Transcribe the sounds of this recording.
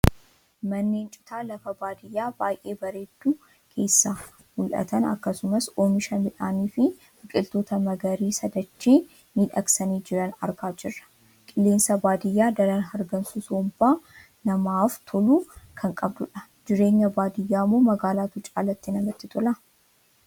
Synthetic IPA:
mɐnːeːnt͡ʃʼʊ̥t̪ʰaːlɐfɐbaːd̪ɪjːaːbaːjʔe̞ːbɐɾe̞ːd̪̥ːuː | kʰe̞ːsːaː | mʊlʔɐ̰t̪ɐnɐ̰kːɐsʊmɐsoːmɪʃɐnbɪᶑaːniːfɪ | ɪkʼɪlt̪o̞ːt̪ɐmɐɡɐɾiːsɐd̪ɐt͡ʃːiː | niᶑɐksɐniːd͡ʒɪɾɐnɐ̰ɾɡaːd͡ʒɪrːɐ̥ | kʼɪlːe̞ːnsɐbaːd̪ɪjːaːd̪ɐɾɐnɦɐɾɡɐnsusoːmbaː | nɐmaːft̪ʰɔluːkʰɐŋkʼɐbd̪ʊᶑɐ | d͡ʒɪɾe̞ːɲːɐbaːd̪ɪjːaːmːoːmɐɡaːlaːt̪ʊt͡ʃʼaːlɐt̪ːinɐmɐt̪ːɪt̪ʰʼɔlɐ

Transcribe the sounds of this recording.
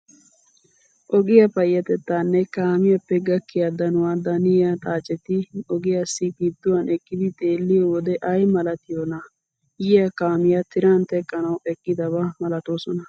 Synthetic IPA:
ʔɔɡɪjɐpɐjːɐt̪ɛt̪ːaːnːɛkaːmɪjɐpːɛɡɐkːɪjɐd̪ɐnʊwad̪ɐnɪjɐt̪ʼaːt͡ʃʼːɛt̪ɪɔɡɪjasːɪkɪd̪ːʊwɐnʔɛkːɪd̪ɪt̪ʼe̞ːlːɪjowɔd̪ɛʔɐjmɐlɐt̪ɪjonɐ | jɪjɐkaːmɪjɐt̪ɪɾaːnt̪ɛkʼːɐnɐwɛkʼːɪd̪ɐbamɐlɐt̪oːsɔnɐ

